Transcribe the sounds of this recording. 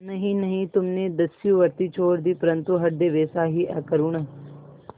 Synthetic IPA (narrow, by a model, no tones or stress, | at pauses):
nɐɦĩnɐɦĩt̪ʊmnẽːd̪ɐsɪjũːʋəɾt̪iːt͡ʃʰoːɾd̪iːpəɾə̃nt̪uɦɐɖd̪eːʋeːsaːɦiʔɛːkəɾuːɳ̃ɐ